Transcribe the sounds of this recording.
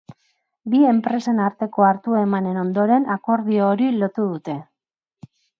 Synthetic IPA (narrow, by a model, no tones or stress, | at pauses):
bie̞mpɾe̞se̞naɾt̪e̞ko̞aɾt̪ue̞mane̞no̞nd̪o̞ɾe̞nako̞ɾðioːɾilo̞t̪uðut̪e̞